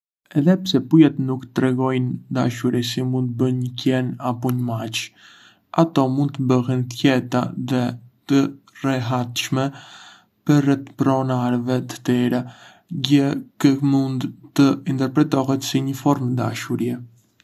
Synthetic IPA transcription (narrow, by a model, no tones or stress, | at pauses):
ɛðɛpsɛpujat̪nukt̪ɾɛɡɔjnd̪a̰ʃuɾisimunt̪̚bənɲəkɛnapɔɲəmat͡ʃ | at̪ɔmund̪̚t̪əbəɦɛnt̪jɛt̪aðɛt̪ə | rɛɦat̪ʃmɛ | pərɛt̪pɾɔnaɾvɛt̪ə̥t̪ɛɾɛ | ɟəkəmund̪t̪əint̪ɛɾpɾɛt̪ɔɦɛt̪siɲəfɔɾmd̪a̰ʃuɾjɛ